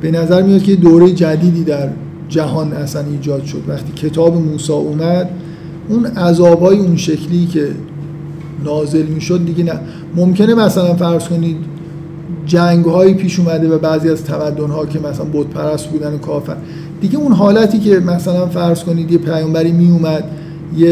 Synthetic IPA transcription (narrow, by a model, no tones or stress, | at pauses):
b̥e̞næzæɾmijɒt̪̚cʰejed̪oɾejed͡ʒæd̪iːd̪iːd̪æɾ | d͡ʒæɦɒːnæsæniːd͡ʒɒːd̪̥ʃo̞̰d̪væχt̪ʰiːcʰe̞t̪ʰɒːbemuːsɒːʔuːmæd̪̥ | ʔunæzɒːbhɒːjeunʃe̞kʰliːcʰe̞ | nɒːze̞lmiːʃod̪̚ːiɟenæ | momcʰe̞ne̞mæsælænfæɾz̥ko̞niːd̪ | d͡ʒæŋɡhɒːjiːpʰiːʃuːmæd̪evæbæːziːæzt̪ʰæmæd̪ːonhɒːcʰe̞mæsælænbot̪pʰæɾæst̪̚buːd̪ænokʰɒːfæ̰ɾ | d̪iɟeunɦɒːlæt̪ʰiːce̞mæsælænfæɾz̥ko̞niːd̪jepʰæjɒːmbæɾiːmiumæd̪ | je